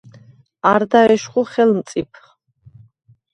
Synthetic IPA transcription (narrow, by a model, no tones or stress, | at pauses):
aɾd̪aɛʃχuχɛlmt̪sʼipʰ